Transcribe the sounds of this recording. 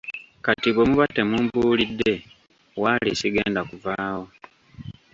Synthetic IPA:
katiβomuβate̞muːmbuːlidːe̞ | waːlisiɡe̞ːndakuvaːwo̞

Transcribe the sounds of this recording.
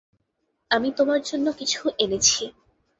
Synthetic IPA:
amit̪omaɾd͡ʑonːokit͡ɕʰuʔenet͡ɕʰi

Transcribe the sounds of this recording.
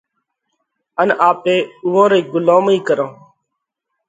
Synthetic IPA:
ənaːpeːʊʋõːɾeːɡʊlõːmiːkəɾõː

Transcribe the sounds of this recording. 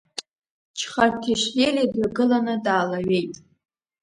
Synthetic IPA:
t͡ʃʰχartʰiʃjelidɥaɡɨlanɨdaːlaɥejtʼ

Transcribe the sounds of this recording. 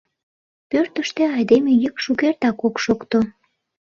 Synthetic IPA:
pørt̪əʃt̪eɑjd̪emejəkʃukert̪ɑkokʃokt̪o

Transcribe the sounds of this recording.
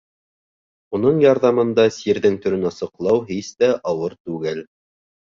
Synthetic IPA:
unɤɴjɑɾðɑmɤ̆nd̪ɑsiɾðɘŋt̪ɵ̆ɾɵnɑsɤ̆qlˠɑwɦist̪æʔɑwɤɾt̪ʉɡɘl

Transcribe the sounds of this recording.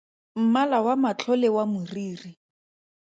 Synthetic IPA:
m̩malawamat͡ɬʰɔlɪwamʊriːri

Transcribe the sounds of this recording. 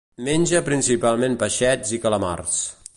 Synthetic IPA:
menʲʒəpɾinsipalˠmempəʃɛd͡zikələma̰rs

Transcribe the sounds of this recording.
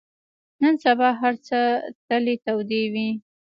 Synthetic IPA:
nənsabɑɦaɾt͡sət̪əlet̪awd̪ewi

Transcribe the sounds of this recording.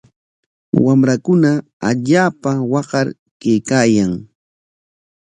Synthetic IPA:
wamɾakʊna | aʎaːpawɑɢɑɾ | kejkaːjaŋ

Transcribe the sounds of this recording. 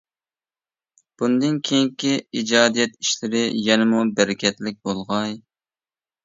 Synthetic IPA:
b̥und̪ɨnkʲʰejŋkʲiid͡ʒɑːd̪ijɛt̪i̥ʃlɪɾɪjɛnɪmubɛɾɪkʲʰɛt̪lɪk̚ʲbolˠʁɑj

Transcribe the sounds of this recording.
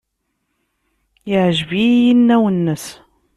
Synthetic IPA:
ɪʕʒvijinːæwənːəs

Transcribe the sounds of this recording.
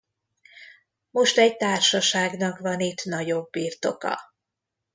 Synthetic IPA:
mo̞ʃt̪ɛɟ̚t̪aːrʃɒʃaːɡnɒkvɒnit̪nɒɟo̞bːiːrt̪o̞kɒ̰

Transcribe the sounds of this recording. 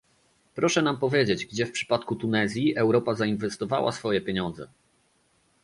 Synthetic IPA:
pɾɔʂɛnampɔvʲjed͡ʑed͡ʑɡd͡ʑɛfpʂɘ̥pat̪kut̪unɛzʲjiʔɛwɾɔpazainvɛst̪ɔva̰wa̰sfɔjɛpʲjeɲɔnd̪zɛ̰

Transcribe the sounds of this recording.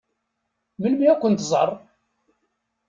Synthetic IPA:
məlmiækʷːənt̪zˤərˤː

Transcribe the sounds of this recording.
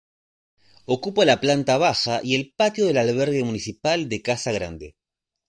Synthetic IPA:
o̞kupolaplant̪aβ̞axaʔie̞lpat̪jo̞ðe̞lalβeɾɣe̞munisipald̪ekasaɣɾa̰nd̪e

